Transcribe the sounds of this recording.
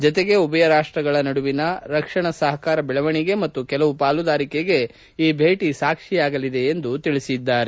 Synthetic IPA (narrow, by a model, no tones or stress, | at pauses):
d͡ʒɔt̪eɡe̞ubɐjɐɾaːʂʈɾɐɡɐɭɐnɐɽuʋinɐɾɐkʂɐɳɐsɐɦɐkaːɾɐbɛɭɐʋɐɳiɡe̞mɐt̪ːukɛlɐʋupaːlud̪aːɾikeɡe̞ | iːbʱeːʈisaːkʂijaːɡɐlid̪e̞ːnd̪ut̪iɭisid̪ːaːɾe